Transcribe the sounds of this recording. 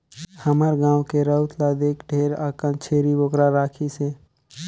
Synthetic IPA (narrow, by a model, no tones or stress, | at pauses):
həməɾɡãːwkeɾət̪ʰlaːd̪eːkɖʱeːɾaːkənt͡ʃʰeːɾiboːkɾaɾaːkʰise